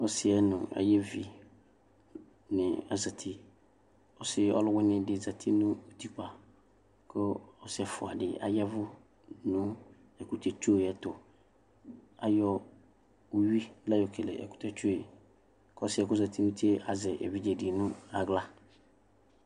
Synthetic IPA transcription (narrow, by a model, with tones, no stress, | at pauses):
ɔ˦sɪ˨ɛ˦nʊ̃˨a̰˨jɛ˦vi˨ | nɪ̃˨a˨za˨tʰi˦ | ɔ˦sɪ˦ɔ̰˦lʊ˦wɛ˦nɪ̃˦dɪ˨za˨tʰi˦nʊ̃˦o˨tʰi˦k͡pa˨ | kʰʊ˦ɔ˨sɛ˨fʊ˨a̰˨dɪ˨a̰˨jɛ˦vʊ˦ | nʊ̃˦ | ɛ˨ku˨tʰɛ˨t͡ʃo˦˨ɛ˨tʊ˨ | a˨jɔ˦ | o˨ɥi˦la˦jɔ˨kʰe˨lɛ̰˨ɛ̰˨ku̥˦tʰɛ˨t͡ʃu˦o˦˨ | kɔ˦sɪ˦ɛ˨kʊ˦za˨tʰi˦nũ˦tʰe˦a˨zɛ˨ʔɛ̰˨vi˦d͡ʑɛ˨dɪ˨nʊ̃˦a˨ɡla˦